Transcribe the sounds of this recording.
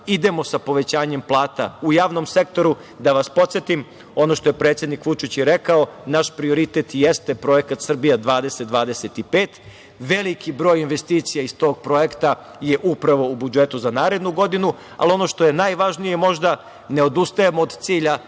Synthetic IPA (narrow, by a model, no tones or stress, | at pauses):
id̪e̞mo̞sapo̞ʋe̞t͡ɕaːɲe̞mplˠaːt̪a̰ujaːʋno̞mse̞k̚t̪o̞ɾu | d̪aʋaspo̞t̪sjet̪im | o̞no̞ʃt̪oje̞pɾe̞ːt̪sje̞d̪nikʋut͡ʃit͡ɕjɛɾe̞kaonaʃpɾio̞ɾit̪et̪jest̪epɾo̞je̞kat̪sr̩bijad̪ʋaːd̪e̞set̪̚d̪ʋaːd̪e̞set̪ipeːt̪ | ʋe̞likibɾo̞ːjinʋest̪iːt̪sijaist̪o̞ɡ̚pɾo̞jekt̪a | je̞ʔupɾaʋo̞ubud͡ʒe̞t̪uzanaːɾe̞d̪nuɡo̞d̪inu | a̰lio̞no̞ʃt̪o̞je̞naːjʋaʒnijemo̞ʒd̪a | ne̞od̪ust̪ajemoːd̪t̪siːʎa